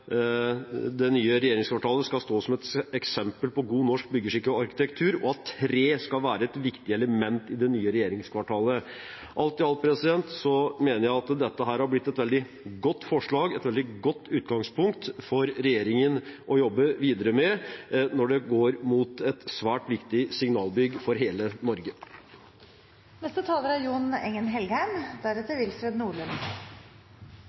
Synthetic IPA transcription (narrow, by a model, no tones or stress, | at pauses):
d̪ɛnyːəɾɛjeːɾɪŋskʰʋɑʈʰɑːləskɑlst̪oːsɔmɛt̪ɛksɛmpəlpɔɡuːnɔʂk̚bʏɡːəʂɪkːəɑɾkɪ̥t̪ʰɛkt̪ʰʉːɾɔɑt̪ʰːɾeːskɑlʋæːɾəɛt̪ʋɪkt̪ɪəɛləmɛnt̪ɪd̪ɛnyːəɾɛjeːɾɪŋskʰʋɑʈʰɑːlə | ʔɑlt̪ɪɑlpʰɾɛsɪd̪ɛnt̪sɔmeːnəɾjæɪɑt̪d̪ɛt̪ːəɦæːɾhɑɾblɪt̪ːɛt̪ʋɛld̪ɪ | ɡɔt̪ːfɔʂɭɑːɡɛt̪ʋɛld̪ɪɡɔt̪ːʉːt̪ɡɑŋspʰʊŋkt̪fɔɾɾɛjeːɾɪŋənʔɔjɔbːəʋiːd̪əɾəmɛnɔɖɛɡoːɾmuːt̪ɛt̪sʋæːʈʋɪkt̪ɪsɪŋnɑːlˠbʏɡːfɔɾɦeːlənɔɾɡə | nɛst̪ət̪ʰɑːləɾæɾjuːnɛŋənɦɛlɡhæɪmd̪æɾɛt̪ːəɾʋɪlfɾeːd̪nuːɭən